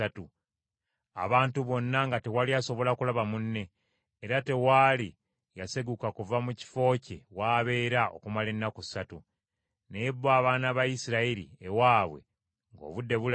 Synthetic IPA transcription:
atu | a̰βaːntuβo̞nːaŋɡatewalijaso̞βo̞lakulaβamunːe̞ː | ɾate̞wali | jaseɡukakuvamuci̥fo̞ːcḛwaːβe̞ːɾao̞̰kumale̞nːakusatu | neebːaːβaːnaβajisiɾaiɾḭewaːβwe̞̰ | ŋɡo̰βudːe̞βul

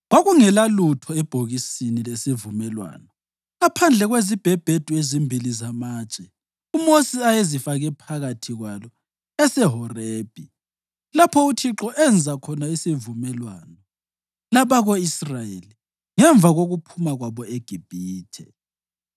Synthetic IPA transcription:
ɣwaɣuŋɛlalutʰɔɛb̥ʱoɣisinilesivumɛlwa̰ːnɔ | apʰand͡ɮʱɛɣwezib̥ʱeb̥ʱed̥ʱuezimbʱilizamaːt͡ʃʼɛ | umosiajezifaɣɛpʰaɣatʰiɣwalɔ | ɛsɛɦɔreːb̥ʱi | lapʰɔutʰiǁɔʔɛnd͡zʱakʰɔnaisivumɛlwaːnɔ | laβaɣoisrajeli | ŋɛɱvʱaɣoɣupʰumaɣwaβɔeɡ̥ʱib̥ʱiːtʰɛ̰

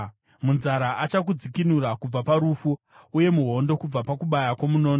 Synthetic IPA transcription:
munzaɾaʔat͡ʃak̬ud͡zikinuɾakub͡vapaɾufu | uje̞muɦo̞ndo̞kub͡vapakuɓajakwo̞muno̞ːno

